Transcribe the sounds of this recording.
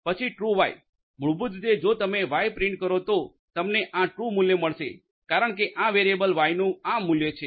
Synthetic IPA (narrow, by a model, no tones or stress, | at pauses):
pət͡ʃʰiʈɾuʋaj | mʊɭbud͡ʒud̪ed͡ʒot̪əmeʋajpɾɪɳʈ̚kəɾot̪o | t̪əmneʔãʈɾumuljeməɭʃḛ | kaɾəɳ̃k̬eʔãʋeɾiebəlʋajnũãmːuljet͡ʃʰe